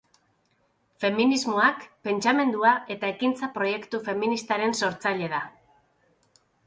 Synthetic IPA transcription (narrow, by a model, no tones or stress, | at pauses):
fe̞minizmo̞akpe̞nt͡ʃame̞nd̪uae̞t̪ae̞kint͡sapɾo̞je̞kt̪ufe̞minist̪aɾe̞nso̞ɾt͡saʎe̞ð̞a